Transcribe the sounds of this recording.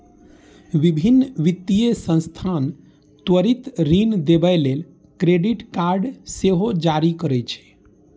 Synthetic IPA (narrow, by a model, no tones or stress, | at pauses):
ʋibʱinːʋit̪ːijesə̃nst̪ʰan | t̪wəɾit̪ɾind̪ebɛlel | kɾeɖiʈkaɾɖseɦod͡ʒaɾikəɾɛt͡ʃʰɛ̥